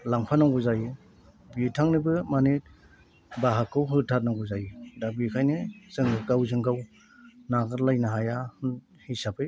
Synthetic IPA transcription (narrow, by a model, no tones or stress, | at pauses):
laŋpʰanaŋɡuzaji | bitʰaŋnɯbɯmanit̚ | baɦakːɯwɦɯtʰat̚naŋɡuzajidabikʰajnez̥ɯŋɡɯkawzɯŋɡaw | naɡɯɾlajnaɦaja | hisapɯj